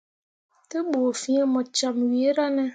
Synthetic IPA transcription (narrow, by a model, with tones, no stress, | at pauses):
tə˦ɓo˨fi˦ɛ˦mɔ˨t͡ʃa˨mɥe˨˦ɾa˦nɛ˦